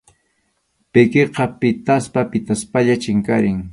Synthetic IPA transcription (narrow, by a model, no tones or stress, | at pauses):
pɪkeqɑpɪt̪aspapɪt̪aspaʎat͡ʃɪŋkaɾɪŋ